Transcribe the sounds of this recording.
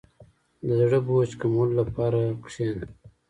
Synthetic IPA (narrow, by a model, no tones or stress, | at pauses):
d̪əzɽəbot͡ʃkamollːapɑɾakʂen